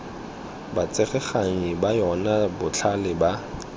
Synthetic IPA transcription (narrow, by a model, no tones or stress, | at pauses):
bat͡sʼeχɛχaŋibajɔnabʊt͡ɬʰalɪba